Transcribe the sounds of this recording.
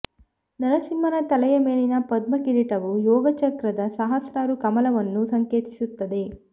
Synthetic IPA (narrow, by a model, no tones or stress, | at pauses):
nɐɾɐsimːɐnɐt̪ɐlɐjɐmeːlinɐpɐd̪̚mɐkiɾiʈɐʋujɔːɡɐt͡ʃɐkɾɐd̪ɐsɐɦɐsɾaːɾukɐmɐlɐʋɐnːusɐŋkeːt̪i̥sut̪ːɐd̪e̞